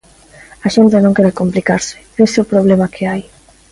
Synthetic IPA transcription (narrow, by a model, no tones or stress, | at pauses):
aʃent̪ɪnõŋkeɾekomplikaɾsɪ̥eseopɾoβ̞lemakʰeaj